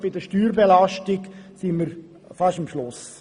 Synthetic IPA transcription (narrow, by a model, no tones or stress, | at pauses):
b̥ɪdəʃtyːɾbelɑʃtɪksimməɾ | fɑʃəmʃlʊs